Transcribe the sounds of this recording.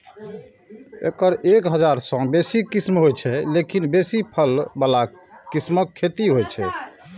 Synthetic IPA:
ḛkəɾʔekɦəd͡ʒaɾsə̃besikismɦojt͡ʃʰɛlekinbesipʰəlbala | kːisməkʰːet̪iɦojt͡ʃʰɛ̰

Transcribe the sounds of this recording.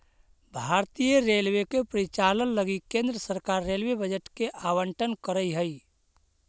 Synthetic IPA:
bʱaːɾt̪ijəɾelwekepɾit͡ʃalənləɡikẽnd̪ɾəsəɾkaɾːelwebəd͡ʒəʈkeʔawəɳʈənkəɾəiɦəi

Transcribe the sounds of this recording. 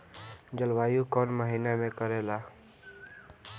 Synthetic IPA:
d͡ʒəlʋaːjuːkoːnməɦiːnaːmẽːkəɾeːlaː

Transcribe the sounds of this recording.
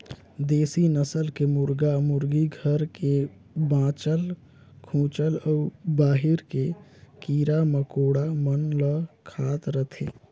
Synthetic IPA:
d̪eːsinəsəlkemʊɾɡamʊɾɡiɡʱəɾke | bãːt͡ʃəl | kʰũːt͡ʃəlɔːbaːɦɪɾkekiːɾaməkoːɽamənləkʰaːt̪ɾət̪ʰeː

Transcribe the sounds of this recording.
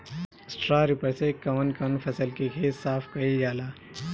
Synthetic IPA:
sʈɾaːɾɪpəɾsekɐʋənkənpʰɐsəlkikʰeːt̪saːpʰkɐid͡ʒaːlaː

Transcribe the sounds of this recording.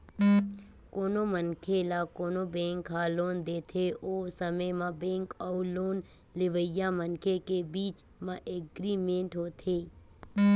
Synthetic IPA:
koːnomənkʰelakoːnobẽːŋkɦaːloːnd̪eːt̪ʰeoːsəməjmãbẽːŋkɔːloːn | lɪʋəjamənkʰekebiːt͡ʃ | mãʔeɡɾiːmẽːɳʈɦoːt̪ʰeː

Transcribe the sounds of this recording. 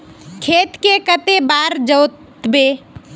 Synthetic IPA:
kʰeːt̪kekət̪ebaːɾd͡ʒəʊt̪ | beː

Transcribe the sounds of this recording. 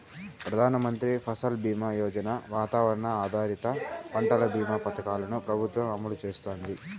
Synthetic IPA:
pɾɐd̪ʱaːnɐmɐnt̪ɾipʰɐsɐlbiːmaːjɔːd͡ʒɐnɐʋaːt̪aːʋɐɾɐɳɐaːd̪ʱaːɾit̪ɐpɐɳʈɐlɐbiːmaːpɐt̪ɐkaːlɐnupɾɐbʱut̪ʋɐmɐmulut͡ʃeːst̪oːnd̪i

